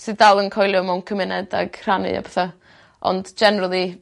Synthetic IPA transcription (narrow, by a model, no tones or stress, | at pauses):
sɨdalˠənkʰɔjlˠjʊmawnkʰəmɪnɛdaɡ̥r̥anɨ̰a̰bʰɛθa | ʔɔ̰ndd͡ʒɛnɛɾalˠi